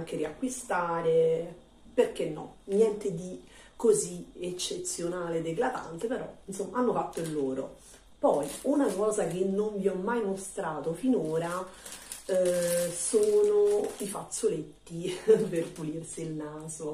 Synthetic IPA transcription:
ŋk̟eɾiakːwist̪aːɾe | perk̟enːɔ̰nːjɛnt̪ed̪i | koziet͡ʃːet̪sjonaːled̪eɡlad̪a̰nt̪epeɾɔ̰insomːaanːofat̪ːoilːoːɾo̰ | pɔjunakɔːzak̟enːoɱviɔmːajmost̪ɾaːt̪ofinoːɾa | soːnoifat̪sːolet̪ːiperpulirsiːlnaːzo

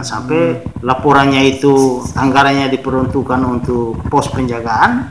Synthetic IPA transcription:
sampɛlapɔɾanɲait̪uaŋɡaɾaɲadipəɾɔnt̪ukanunt̪ʊk̚pɔspəɲd͡ʒaɡaan

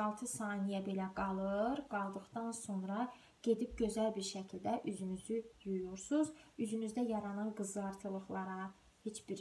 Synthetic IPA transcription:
ɑlˠt̪ʰɯsɑːnijæbe̞læɡɑlˠɯɾɡɑlˠd̪ɯχd̪ɑnso̞nɾɑ | ɟ̥e̞d̪ip̚ɟø̞zælbiɾʃæcʰilʲd̪æʔyzynyzyjujuɾsuzyzynyzd̪æjɑɾɑnɑnɡɯzɯɑɾt̪ʰɯlˠɯχlˠɑɾɑ | he̞t͡ʃbiɾ

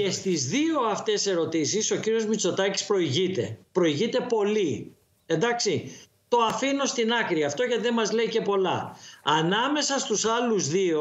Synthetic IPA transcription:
e̞st̪izðio̞ɐft̪e̞se̞ɾo̞t̪isiso̞ciɾio̞zmit͡so̞t̪ɐci̥spɾo̞iʝit̪e̞̰pɾo̞iʝit̪e̞po̞li | e̞nd̪ɐksi | t̪o̞ɐfino̞st̪inɐkɾiɐft̪o̞ʝɐt̪iðemɐzle̞ice̞po̞lɐ̰ɐnɐme̞sɐst̪usɐluzðio̞

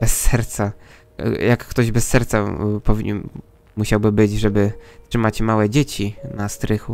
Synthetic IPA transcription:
bɛsːɛɾt̪sa̰ | jakːt̪ɔʑbɛsːɛɾt̪sapɔvʲiɲɛn | muɕawbɘbɘd͡ʑʐɛbɘtʂɘmat͡ɕmawɛd͡ʑet͡ɕinast̪ɾɘxu

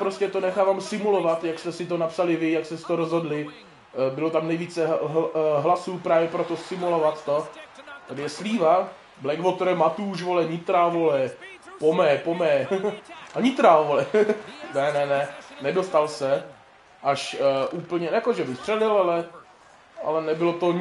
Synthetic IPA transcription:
pɾoscɛt̪o̞nɛxaːvaːmsɪmulovat̪jakst̪ɛsɪt̪onapsalɪvɪjakst̪ɛsɪ̥t̪oɾozɦodlɪ | bɪlot̪amnɛjviːt͡sɛɦɦlasuːpɾaːvjɛpɾot̪osɪmulovat̪ːo̞t̪adɪjɛsliːva | blɛɡvot̪oɾɛmat̪uːʃvolɛɲɪt̪ɾaːvolɛ | pomɛːpomɛː | aɲɪt̪ɾaːvolɛnɛnɛnɛnɛdo̞st̪alsɛ | ʔaʃʔuːpl̩ɲɛjakoʒɛbɪxst̪r̥ɛlɪlalɛ | a̰lɛnɛbɪlot̪o

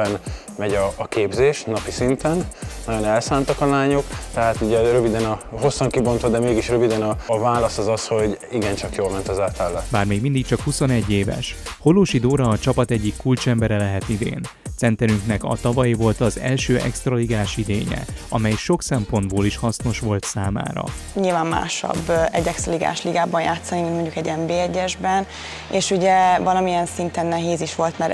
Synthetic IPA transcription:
ɛn | mɛɟɒːkeːbzeːʃnɒpisint̪ɛnnːɒɟo̞nɛlsaːnt̪ɒkɒlaːɲo̞kt̪ɛɦaːt̪uɟɛrøvid̪ɛnɒɦo̞sːɒŋkibo̞nt̪ʋɒd̪ɛmeːɡiʃrøvid̪ɛnɒvaːlɒsɒzɒsho̞ɟiɡɛnt͡ʃɒkjoːlmɛnt̪ɒzaːt̪alːɛbaːrmeːɡmind̪ik̚t͡ʃɒkhuso̞nɛɟːeːvɛ̰ʃho̞loːʃid̪oːɾɒːt͡ʃɒpɒt̪ɛɟːikːult͡ʃɛmbɛɾɛlɛɦɛt̪id̪ḛːnt̪sɛnt̪ɛɾyŋknɛkɒ̰t̪ɒvɒjivo̞lt̪ɒzɛ̰lʃøːʔɛ̰kst̪rɒliɡaːʃid̪eːɲɛ̰ɒmɛjʃo̞ksɛmpo̞nd̪boːliʃhɒsno̞ʃʋo̞lt̪saːma̰ːɾɒ̰ɲilvaːmma̰ːʃɒ̰bːɛ̰ɟːɛkst̪rɒliɡa̰ːʃliɡaːbɒnjaːt̪sːɒnimint̪mo̞ɲɟukɛɟɛmbeːɛɟːɛʒbɛn | eːʃuɟɛvɒlɒmijɛnsint̪ɛnːɛɦeːziʃʋo̞lt̪mɛɾ

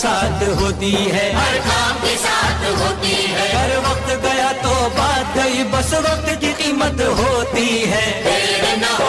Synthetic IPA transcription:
saːt̪ʰɦoːt̪iɦɛːɦɐɾkʰaːmkesaːt̪ʰɦoːt̪iɦɐɡəɾʋɐq̚t̪ɡɐjat̪obaːd̪ːɐibɐsʋɐq̚t̪kiqiːmət̪ɦoːt̪iɦɛː | n

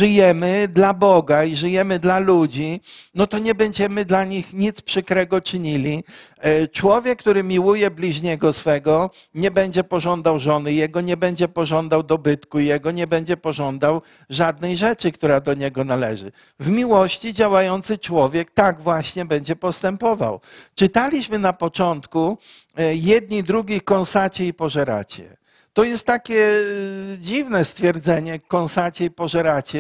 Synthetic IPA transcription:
ʐɘjɛmɘd̪labɔɡaiʐɘjɛmɘd̪lalud͡ʑinɔt̪ɔɲɛbɛɲd͡ʑɛmɘd̪laɲixɲit̪spʂɘkɾɛɡɔt͡ʂɘɲilʲi | t͡ʂwɔvʲjɛkːt̪uɾɘmʲiwujɛblʲiʐɲɛɡɔsfɛɡɔ | ɲɛbɛɲd͡ʑɛpɔʐɔnd̪awʐɔnɘjɛɡɔɲɛbɛɲd͡ʑɛpɔʐɔnd̪awd̪ɔbɘt̪kujɛɡɔɲɛbɛɲd͡ʑɛpɔʐɔnd̪aw | ʐad̪̚nɛjʐɛt͡ʂɘkt̪uɾad̪ɔɲɛɡɔnalɛʐɘ̰ | vmʲiwɔɕt͡ɕid͡ʑawajɔnt̪sɘt͡ʂwɔvʲjɛk̚t̪aɡvwaɕɲɛbɛɲd͡ʑɛpɔst̪ɛmpɔva̰wt͡ʂɘt̪alʲiɕmɘnapɔt͡ʂɔnt̪ku | jɛd̪̚ɲid̪ɾuɡʲekɔ̃nsat͡ɕɛipɔʐɛɾa̰t͡ɕɛ̰ | t̪ɔjɛst̪ːakʲɛ | d͡ʑivnɛst̪fʲjɛɾd̪zɛɲɛkɔ̃ñsat͡ɕɛipɔʐɛɾat͡ɕɛ

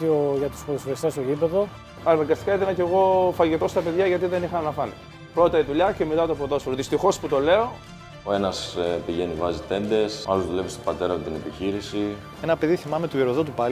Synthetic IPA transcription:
ioʝɐt̪u̥spoisest̪ɐsoʝipeðo̞ | ɐɾnɐŋɡɐst̪i̥kɐit̪ɐnɐce̞ɣo̞fɐʝit̪o̞st̪ɐpe̞ðʝɐʝɐt̪iðe̞nixɐnɐfɐni | pɾot̪ɐit̪uʎɐce̞me̞t̪ɐt̪opotðo̞sfoɾoðist̪ixo̞sput̪o̞le̞o̞ | oenɐspiʝe̞nivɐzit̪e̞nd̪e̞sɐ̰lozðulevist̪obɐt̪e̞ɾɐet̪ine̞piçiɾisi | enɐpe̞ðiθimɐmet̪ueɾoðot̪̬upɐl

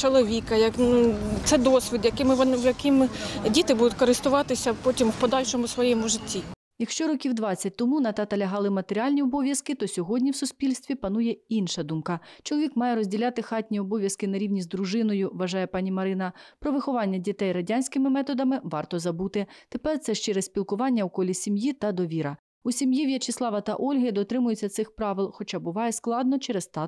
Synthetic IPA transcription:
t͡ʃɔlˠɔʋʲikɐjɐknut̪sɛd̪ɔsʲʋʲid̪jɐkɪmɪʋɔnwjɐkɪmdʲit̪ɪbud̪ʊt̚ʲkɔɾɪst̪ʊʋɑt̪ɪsʲɐpɔtʲimwpɔd̪ɑlʲʃɔmʊsʋɔjɛmʊʒɪtʲːi | jɐkʃt͡ʃɔɾɔkʲiwd̪ʋɑt͡st͡sʲːɐt̚ʲt̪ɔmunɐt̪ɑt̪ɐlʲɐɦɑlˠɪmɐt̪eɾʲiɑlʲnʲiɔbɔʋʲjɐskɪt̪ɔsʲɔɦɔdʲnʲiwsʊsʲpʲilʲst̪ʋʲipɐnujɛinʃɐd̪umkɐt͡ʃɔlˠɔʋʲikmɑjɛɾɔzʲdʲilʲat̪ɪxɑtʲnʲiɔbɔʋʲjɐskɪnɐɾʲiwnʲizd̪ɾʊʒɪnɔjʊʋɐʒɑjɛpɑnʲimɐɾɪnɐpɾɔʋɪxɔʋɑnʲːɐdʲit̪ɛjɾɐdʲanʲsʲkɪmɪmɛt̪ɔd̪ɐmɪʋɑrt̪ɔzɐbut̪ɪt̪epɛrt̪sɛʃt͡ʃɛɾɛssʲpʲilˠkʊʋɑnʲːɐukɔlʲisʲimjit̪ɐd̪ɔʋʲiɾɐ | usʲimjiwjɐt͡ʃɪslˠɑʋɐt̪ɐ̰ʔɔlʲɦɐjd̪ɔt̪ɾɪmʊjʊt͡sʲːɐt̪sɪxpɾɑʋɪlˠxɔt͡ʃɑbʊʋɑjɛsklˠɑd̪nɔt͡ʃɛɾɛst̪ɑ

